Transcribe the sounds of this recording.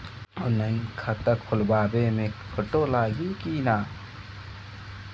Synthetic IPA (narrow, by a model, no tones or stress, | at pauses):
ɔnənkʰat̪əkʰːʊlbaːbemẽkʰəʈolaːɡikiːnaː